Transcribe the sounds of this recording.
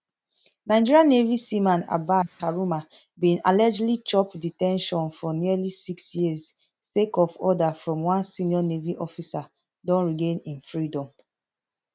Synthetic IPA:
naɪd͡ʒiɹiãnevisimãna̰bakaɹuma | bĩna̰lɛd͡ʒlit͡ʃɔpditɛ̃nʃɔ̃nfɔniəlisiksjiəsː | ekɔvɔdafɹɔ̃mwãnsiniɔneviʔɔfisa | dɔ̃nɹiɡẽnĩnfɹidɔ̃m

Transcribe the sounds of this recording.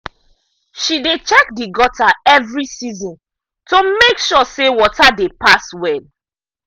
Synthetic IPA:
ʃidet͡ʃɛk̚diɡɔtaɛvɹisizɔ̃n | tomekʃɔsewɔtadepaswɛl

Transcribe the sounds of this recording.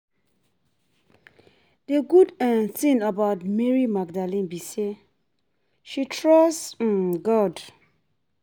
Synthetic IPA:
deɡudãnθĩnabaʊtmɛɹimaɡ̚dalĩnbise | ʃitʰɹɔs̩ɡɔd

